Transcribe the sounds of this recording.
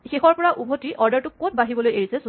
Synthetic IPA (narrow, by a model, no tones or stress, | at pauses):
xexɔɹpɔɹaʔubʱotiʔɔɹdaɹtʊkːot̚baɦibɔlojeɹisɛs